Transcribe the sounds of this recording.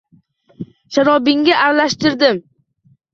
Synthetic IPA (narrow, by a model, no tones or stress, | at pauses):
ʃaɾɒbɪŋːaʔaɾalaʃt̪ɪɾd̪ɪm